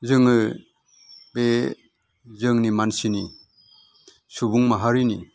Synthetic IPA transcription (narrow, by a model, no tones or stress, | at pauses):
zɯŋɯ | be | zɯŋnimansini | subuŋmaɦaɾini